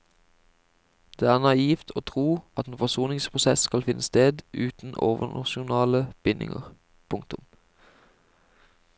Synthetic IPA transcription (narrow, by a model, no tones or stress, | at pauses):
d̪̥eːæːʁnɑiːft̪ʰoːt̪ʰʁuːʔɑt̪eːnfɔsuːnɪŋspʰʁʊsɛskɑlfɪnʔəst̪eːd̪ʉːt̪n̩o̰ːʋənɑ̰ʃʊnɑːləb̥ɪnʔɪ̰ŋə̰ʁ | pʰʊŋk̚t̪ʊm